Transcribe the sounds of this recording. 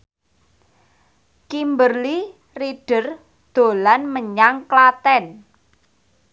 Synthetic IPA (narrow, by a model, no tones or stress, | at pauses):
kimbərli | riɖ̥ə̤r | d̪̥o̤lanməɲaŋklat̪ɛn